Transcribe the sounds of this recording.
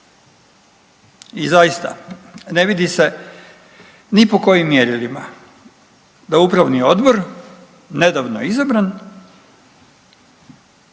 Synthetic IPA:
izajist̪a̰ne̞ʋid̪ise̞ | nipo̞ko̞jimːjeɾilima | d̪aupɾaʋnio̞d̪bo̞ɾ | ne̞d̪aʋnojeizabɾan

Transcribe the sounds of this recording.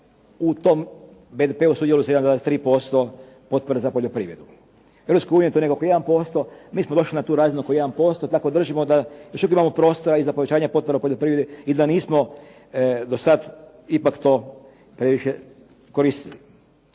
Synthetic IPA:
ut̪om | bed̪epeusud̪jeluisjeanaest̪ɾiːpo̞st̪o | po̞t̪̚po̞ɾezapoʎʲopɾiːʋɾe̞d̪u | eʋɾopskoajuːniet̪onekokoje̞d̪anpo̞st̪o̞miːsmod̪o̞ʃlinat̪uːɾaːzinukojeanpo̞st̪ot̪ako̞d̪r̩ʒimod̪ajoʃukoimamopɾo̞ːst̪oɾaizapo̞ʋe̞t͡ɕaːɲapot̪poɾepoʎʲopɾiʋɾed̪eid̪aniːsmo | d̪osad̪ | ipakt̪o̞ | pɾeʋiʃe | ko̞ɾist̪ili

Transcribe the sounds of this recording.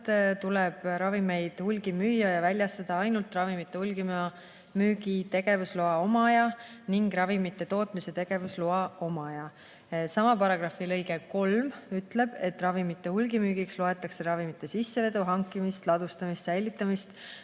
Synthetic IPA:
t̪t̪ulɛb̥ɾɑvime̞jd̪̥hulɡ̥imyːjːɑjɑvælʲjɑst̪ɑd̪̥ɑɑjnult̪rɑvimit̪ːˑe̞hulɡim | myːɡit̪e̞ɡ̥e̞vusloɑo̞mɑjɑ | niŋɡɾɑvimit̪ːˑe̞t̪o̞ːt̪ˑmise̞t̪e̞ɡ̥e̞vusloɑo̞mɑjɑ | sɑmɑpɑɾɑɡ̥rɑfilɤjɡe̞ko̞lmyt̪le̞b̥e̞t̪ːˑrɑvimit̪ˑːe̞hulɡimyːɡ̥iksloe̞t̪ːˑɑkse̞ɾɑvimit̪ˑːe̞sisːe̞ve̞d̪uɦɑŋkːˑimist̪lɑd̪ust̪ɑmist̪sæjlit̪ˑːɑmist̪

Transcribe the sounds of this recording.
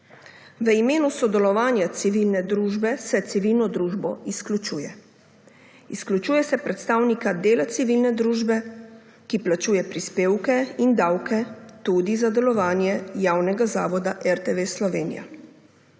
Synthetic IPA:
ʋəimeːnusɔd̪ɛlɔʋaːnjat̪siʋilnɛd̪ɾuːʒbɛsɛt̪siʋilnɔd̪ɾuːʒbɔisklʲut͡ʃuːjɛ | isklut͡ʃuːjɛsɛpɾɛt̪st̪aːwnikad̪eːlat̪siʋilnɛd̪ɾuːʒbɛ | kiplat͡ʃuːjɛpɾispeːwkɛind̪aːwkɛt̪ud̪izad̪ɛlɔʋaːnjɛjaːwnɛɡazaːʋɔd̪aʔɛɾt̪eʋeslɔʋeːnḭja̰

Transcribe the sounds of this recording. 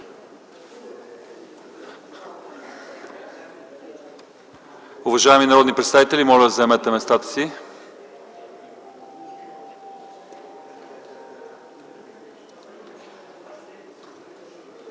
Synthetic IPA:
ʊvɐʒaɛminɐɾɔd̪nipɾɛt̪st̪avit̪ɛlʲimɔlʲɛd̪ɐzɐɛmɛt̪ɛmɛst̪at̪ə̥si

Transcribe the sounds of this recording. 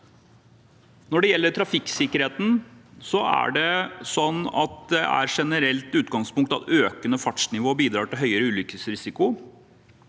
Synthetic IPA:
nɔɖɛjɛlːəʈʰɾɑfɪksɪkːəɾheːt̪n̩sɔæ̰ɖɛsɔnːɑ̰t̪̚d̪ɛæ̰ɾʂɛnəɾɛlt̪ʉːt̪ɡɑŋspʊŋkt̪ɑt̪øːkənəfɑʈʂnɪʋoːbiːd̪ɾɑːʈɪlɦœʏəɾəʉːlʏkəsɾɪsɪkʊ

